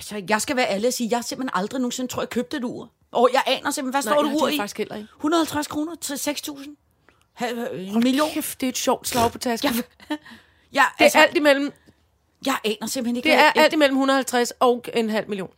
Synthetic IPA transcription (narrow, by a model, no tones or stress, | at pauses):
æsɐjɑ̈ɪsɡ̥æʋæːɐæləæsiːjɑ̈hɑse̝mb̥henʔɑ̈ld̥ʁino̝ːŋ̩se̝nət͡sʰʁo̰ɐjkʰøːb̥̚d̥ed̥uːɐ̰ | ʔɒjɑ̈ɪʔɛ̰ːnɐsem̰henʋæsd̥ɔ̰ːd̥uṵiɡ̥isɡ̥hel̰ʔɐeɡhunɐð̩ˠhælt͡sʰʁaskʰʁo̝ːnɐt͡sʰseɡ̥st͡sʰṵːsn̩ | hæmilijo̝̰ːd̥e̝ed̥ɕɒʊ̰d̥slɑ̈ʊpʰɒt͡sʰæsɡ | jɑɪeɐæl̰d̥imel̰m̩ | jɑ̈ɪʔɛːnɐse̝m̰̥hene̝deæɐʔæl̰d̥imel̰m̩unð̩ˠhælt͡sʰʁasɒ̽ʊe̝nɦæl̰miljo̝̰ːn